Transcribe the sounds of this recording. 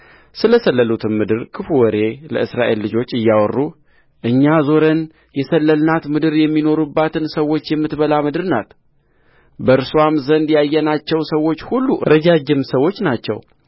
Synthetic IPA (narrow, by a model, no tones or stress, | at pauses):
sɨləsəlːəlut̪ʰɨnmɨd̪ɨɾkʰɨfuwɔɾe̞ləɨsɾaʔe̞̰lːɨd͡ʒo̞t͡ʃːɨjːawɔrːu | ʔɨɲːazo̞ɾən | jɛsəlːəlnat̪mɨd̪ɨɾjɛmːino̞ɾubːat̪ʰɨnsəwːo̞t͡ʃːjɛmːɨt̪bəlamɨd̪ɨɾna̰t̪ | bəɨɾsuamzənd̪jajːɛnat͡ʃːɛwsəwo̞t͡ʃːhulːuɾəd͡ʒad͡ʒɪmsəwːo̞t͡ʃːnat͡ʃːɛ̰w